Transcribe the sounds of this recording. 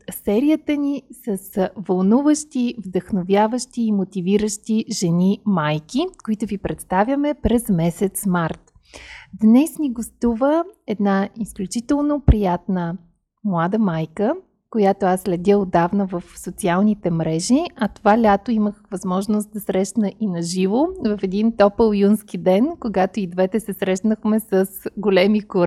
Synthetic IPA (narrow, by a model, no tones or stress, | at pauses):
sɛɾijət̪ənisəsvɐlˠnuvəʃt̪ivd̪əxnovjavəʃt̪iːmot̪iviɾəʃt̪iʒɛnimajkikoit̪ʊvipɾɛt̪st̪avʲjəmɛpɾɛzmɛsɛt̪smaɾt̪ | d̪nɛsnʲiɡost̪uvəɛd̪naisklʲut͡ʃit̪ɛlˠnopɾijat̪nə | mlˠad̪əmajkə | kojat̪oasːlʲɛd̪ʲəod̪avnəvəfsot̪sialˠnit̪ɛmɾɛʒiɐt̪ovalʲat̪oiməxvɐzmɔʒnost̪̚d̪ɐsɾɛʃnəʔinɐʒivovɐfɛd̪int̪ɔpəlˠjunskid̪ɛnkoɡat̪oid̪vɛt̪ɛsɛsɾɛʃnəxmɛsəsɡolɛmikoɾ